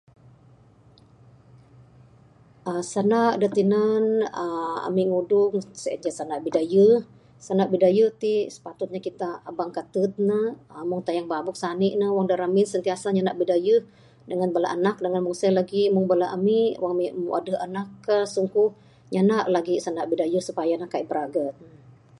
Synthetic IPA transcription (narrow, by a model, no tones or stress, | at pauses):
ʔəsanaʔdət̪inanəa̰miŋudʊŋsəɛ̰t̪̚d͡ʒasanaʔbidajə | sanaʔbidajət̪isə̥pat̪ʊt̪̚ɲakit̪abaŋkat̪ət̪̚nəəmʊŋt̪ajaŋbabʊk̚saniʔnəwaŋdaɾaminsənt̪iasaɲanaʔbidajəh | dəŋanbala̰ʔanak̚dəŋanmʊŋsəlaɡimʊŋbəlaʔamiwaŋmimuʔa̰dəanakːəsuŋkuh | ɲanaʔlaɡisanaʔbidajəsupajanəhkaibəɾaɡət̪̚nə